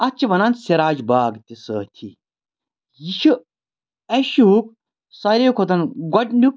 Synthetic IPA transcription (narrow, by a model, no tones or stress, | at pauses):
ɐt͡ʃʰiʋɐnanseɾaːd͡ʒbaːɡt̪isəːt̪ʰḭ | jiʃu | eʃuuk | sɐɾekʰot̪ɐnɡɐʈɳɖuk̚